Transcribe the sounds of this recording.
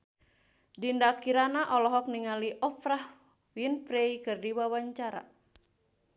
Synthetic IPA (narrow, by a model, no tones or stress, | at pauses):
dindakiɾanaʔɔlɔɦɔk̚niŋaliʔɔfɾah | winpɾeikɨrdiwawaɲt͡ʃaɾa̰